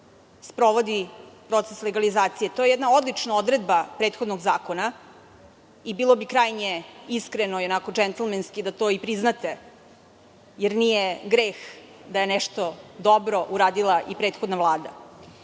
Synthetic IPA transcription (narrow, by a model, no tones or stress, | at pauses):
spɾo̞ʋod̪ipɾo̞t̪sesleɡalizaːt̪sijet̪o̞jejɛd̪nao̞d̪lˠit͡ʂnaod̪ɾe̞d̪bapɾeːt̪xo̞d̪noɡzaːkona | ibilˠo̞bikɾaːjɲeiskɾenoionakod͡ʒɛnt̪l̩ˠmenskid̪at̪o̞ipɾiznat̪e̞ | jeɾnijeɡɾeːx | d̪aje̞nɛʃt̪od̪o̞bɾo̞ʔuɾaːd̪ilˠaʔipɾeːt̪xod̪navlˠaːd̪a̰